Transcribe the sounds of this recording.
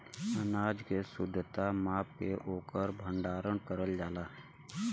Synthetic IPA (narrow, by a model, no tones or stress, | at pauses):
ənaːd͡ʒkesʊd̪ʱːt̪amaːp̚keʔoːkəɾbʱə̃ɳɖaːɾəɳ̃kəɾəld͡ʒaːlaːɦɛ